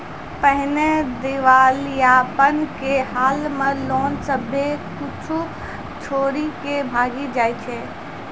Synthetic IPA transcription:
pəɦned̪ɪʋaːljapənkeɦaːlmə̃loːnsəbʱekʊt͡ʃʰu | t͡ʃʰoːɾikebʱaːɡid͡ʒaːet͡ʃʰeː

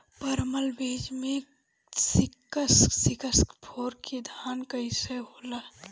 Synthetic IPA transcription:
pəɾməlbed͡ʒme | sikəssikəskpʰoɾked̪ʱankəɪseɦola

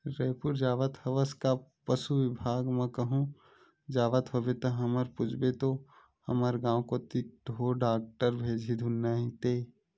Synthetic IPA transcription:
ɾeːpuɾd͡ʒaːʋət̪həʋəskapəsuʋɪbʱaːɡmə̃kəɦũ | d͡ʒaːʋət̪ɦobet̪əɦəməɾpʊd͡ʒʱbet̪o | həməɾɡãːw̃kot̪ɪk̚ʈɦoɖaːk̚ʈəɾbʱeːd͡ʒʱid̪ʱunaɦĩt̪eː

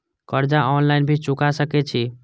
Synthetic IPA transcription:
kəɾd͡ʒaʔɔnlaɪnbʱit͡ʃukasəkɛt͡ʃʰi

